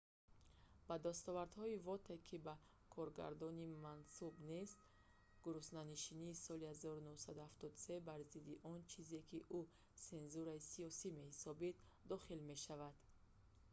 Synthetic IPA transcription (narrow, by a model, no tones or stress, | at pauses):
b̥ad̪ast̪ɔvaɾd̪hɔivɔt̪ʰekʰiba | kʰɔɾɡa̰ɾd̪ɔnimansubnest̪ | ɡuɾusnaniʃiniːsɔlihazɔɾunuhsad̪uhaft̪ɔd̪use̞baɾzid̪iʔɔnt͡ʃʰize̞kʰiʔu | se̞nzuɾaisiɔsime̞hisɔbid̪ | d̪ɔχilme̞ʃavad̪̥